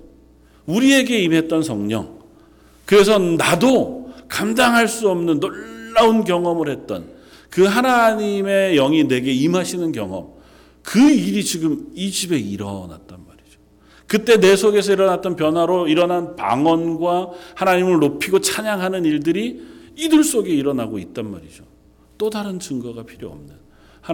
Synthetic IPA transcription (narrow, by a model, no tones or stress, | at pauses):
uɾie̞ɡe̞imɦe̞t̚t͈ʌnsʰʌŋɲʌ̰ŋ | kɯɾe̞s̬ʰʌnadokamdaŋɦaɭs͈uʌmnɯnːoɭːaunkjʌŋʌmɯɾhe̞t̚t͈ʌ̰n | kɯɦanaɲime̞jʌŋine̞ɡe̞imɦaɕʰinɯnkjʌ̰ŋʌ̰m | kɯiɾit͡ɕiɡɯmid͡ʑibe̞iɾʌ̰na̰t̚t͈anmaɾid͡ʑo̥ | kɯt͈e̞ne̞sʰoɡe̞sʰʌiɾʌnat̚t͈ʌnpjʌnwaɾoiɾʌnɦanpa̰ŋwʌnɡwahanaɲimɯɭnopʰiɡot͡ɕʰaɲaŋɦanɯniɭdɯɾiːdɯɭs͈oɡe̞iɾʌnaɡoit̚t͈anma̰ɾid͡ʑo | t͈odaɾɯnt͡ɕɯŋɡʌɡapʰiɾjo̰ʌ̰mnɯn | h